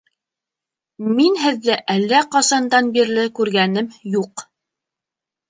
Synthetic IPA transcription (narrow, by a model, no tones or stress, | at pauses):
minɦɘ̆ðːɘʔælːæqɑsɑnd̪ɑnbiɾlɘkʉɾɡænɘmjuq